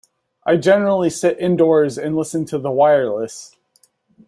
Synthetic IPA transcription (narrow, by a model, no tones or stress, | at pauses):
ʔaɪd͡ʒɛnə˞l̩ˠisɪɾʔɪ̃ndɔɹzɨ̃nlɪsn̩tʰɨðəwaɪə˞lɪst